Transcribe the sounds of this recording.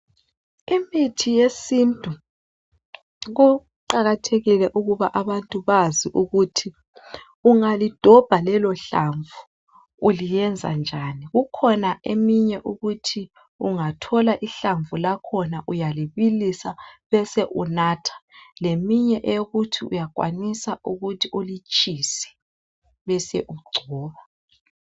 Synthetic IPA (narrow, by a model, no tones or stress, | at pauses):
imitʰijesintʼu | ɣu | ǃaɣatʰeɣilɛʔuɣuβaʔaβantʼuβaziʔuɣutʰi | uŋalid̥ʱɔb̥ʱalɛlɔɬaɱvu | ulijɛnd͡zʱa̰nd͡ʒʱaniɣukʰɔnaʔemiɲɛʔuɣutʰi | uŋatʰɔlaʔiɬaɱvulakʰɔnaʔujaliβilisaβɛseʔunaːtʰḁlemiɲɛʔeɣutʰiṵjaɡ̥ʱʼwa̰nisauɣutʰiulit͡ʃʼisɛ̥ | βɛsɛʔuɡ͡ǀʱɔːβa